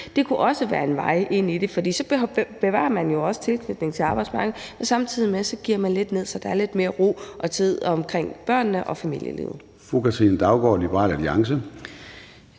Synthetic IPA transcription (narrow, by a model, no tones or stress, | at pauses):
d̥e̝kʰuʔɒ̽səʋæːɐe̝nʋɑ̈ɪ̰ʔe̝n̰id̥e̝fɒ̽d̥ḭːsɒ̥̽b̥e̝ʋɑ̰̈ːɐmænjo̝ɒ̽sə̥t͡sʰe̝lkʰnyd̥ne̝ŋt͡sʰe̝lɑ̈ːb̥ɑɪ̥smɑ̈ɡ̥ð̩ˠmensɑ̈mt͡sʰið̰ˠimesɒ̽ɡ̥iɐ̰mænle̝d̥ne̝ð̞̰ˠsɒd̥ɑ̈æɐle̝d̥me̝ːɐʁo̝̰ːʔɒ̽t͡sʰið̞̰ˠɒ̽mkʰʁeŋ̰b̥ɶɐ̰nːəʔɒ̽fæmḭl̰jə̰lḭːʊð̩ˠ | fukʰæt͡ssʰin̩d̥ɑ̈ʊɡ̥ɒ̰ːlib̥əʁɑ̰̈ːlæliɑ̈ŋsə